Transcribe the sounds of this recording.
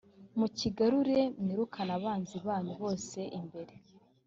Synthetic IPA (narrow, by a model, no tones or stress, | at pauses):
muciɡaɾuɾe̞mniɾukʰanaβaːnziβaːɲuβo̞ːse̞ʔimbe̞ɾe